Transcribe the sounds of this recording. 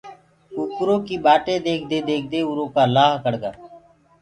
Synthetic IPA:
ukʊɾõːkiːbaːʈẽːd̪eːkʰd̪eːd̪eːkʰd̪eːʊɾõːkaːlaːɦkəɽɡaː

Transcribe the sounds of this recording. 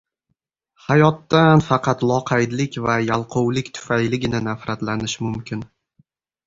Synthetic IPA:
hajɒt̪ːanfɑqʰɑt̪lˠɒqʰɑjd̪lɪkʲvajalˠqʰowlɪkʲt̪ʰʊ̥fajlɪɡʲɪnɪnafɾat̪lanɪʃmʊmkʲʰɪn

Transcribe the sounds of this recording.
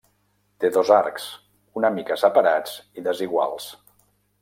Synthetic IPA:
t̪eðozaɾks | unəmikəsəpəɾad͡ziðəziɣwa̰lˠs

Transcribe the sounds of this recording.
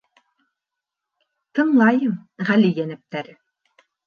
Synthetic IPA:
t̪ɤ̆ɴlˠɑjɤmʁælijænɘ̆p̚t̪æɾ

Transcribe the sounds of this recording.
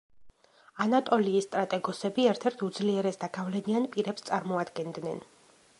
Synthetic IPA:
anat̪ʼɔliːst̪ʼɾat̪ʼɛɡɔsɛbiɛɾt̪ʰɛɾt̪ʰud̪zliɛɾɛsd̪aɡavlɛnianpʼiɾɛpst̪sʼaɾmɔad̪ɡɛnd̪nɛn

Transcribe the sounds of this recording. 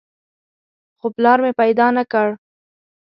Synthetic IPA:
xoplɑɾmepajd̪ɑnakəɽ

